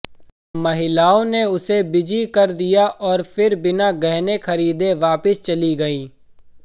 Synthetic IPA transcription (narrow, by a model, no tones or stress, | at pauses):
mɐɦɪlaːõneʊsebɪd͡ʒikɐɾd̪ijaʔɔːɾfʰɪɾbɪnaɡɛɦnexɐɾiːd̪eʋaːpɪst͡ʃɐliɡɐiː